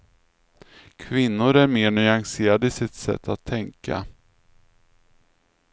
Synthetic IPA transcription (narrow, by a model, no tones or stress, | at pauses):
kʰvɪnːʊɾæɾmeːɳʏaŋseːɾad̪əɪsɪt̪sɛ̰t̪ʰːat̪ʰːɛŋka̰